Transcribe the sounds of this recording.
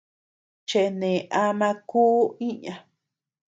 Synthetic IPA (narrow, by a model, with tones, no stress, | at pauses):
t͡ʃe˧˨˧nẽ˨ʔa˧mã˧kuː˦ĩ˦ɲã˧